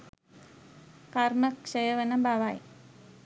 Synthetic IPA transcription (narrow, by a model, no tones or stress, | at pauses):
kaɾməkʃəjəʋənəbaʋaj